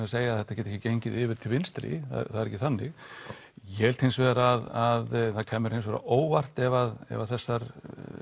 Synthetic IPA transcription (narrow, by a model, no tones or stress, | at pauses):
aseːjaθɛht̪acɛt̪ɛcɪcejɲcɪðɪvɪɾt̪ʰɪlvɪnst̪ɾḭθa̰θaðɾɛcːɪθanːɪɣ | jɛɛlt̪hejnsvɛːðɾaaðaðθaðkʰɛːmːɪɾhejns̬vɛɾa̰ʔoːwvar̥t̪ɛvaðɛ̰vaðθɛsːaɾ